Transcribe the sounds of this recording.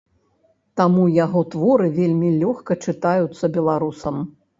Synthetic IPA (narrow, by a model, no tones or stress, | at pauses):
t̪amujaɣɔt̪vɔɾɨvʲelʲmʲilʲɔxkɐt͡ʂɨt̪ajut̪sːɐbʲɛlˠaɾusɐm